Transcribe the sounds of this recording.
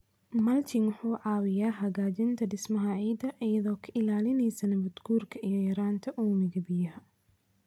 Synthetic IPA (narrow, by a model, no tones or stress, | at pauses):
mɐlt̪ʰɪŋwʊħuːʕɑːwɪjaːɦɐɣaːd͡ʒɪnt̪ʰɐɖɪsmɐɦɐʕiːd̪ɐʔijɐðɔːkʰɐɪlaːlɪnɛjsɐnɐbʊd̪ɡuːrkʰɐʔijɔjɐɾaːnt̪ʰɐʔuːmɪɣɐbɪjɐɦɐ